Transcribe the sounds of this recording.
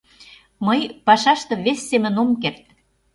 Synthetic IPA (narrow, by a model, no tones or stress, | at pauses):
məjpɑʃɑʃt̪ɤ̆βesʲːemə̆nomkert̪̚